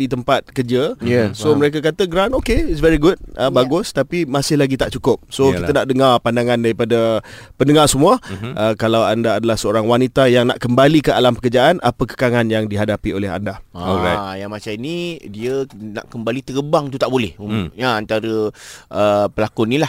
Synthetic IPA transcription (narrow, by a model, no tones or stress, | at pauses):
dit̪əmpat̪̚kərd͡ʒəsoməɾek̬akat̪əɡɾanokeɪsvɛɾiɡut̚ʔəbaɡʊst̪apimasɪhlaɡit̪aʔt͡ʃukʊp̚sokit̪ənaʔdəŋarpandaŋãndaɾipadapəndəŋarsəmũaʔəkalawandaːdalahsəoɾaŋwanit̪ajaŋna̰ʔkəmbalikəʔalampəkərd͡ʒaʔanʔapəkə̥kaŋanjaŋdiɦadapiolɛɦa̰ndaajaŋmat͡ʃaminidiəna̰ʔkəmbalit̪əɡəbaŋt̪ut̪aʔbolɛhujaant̪aɾəʔəpəlakʊnilah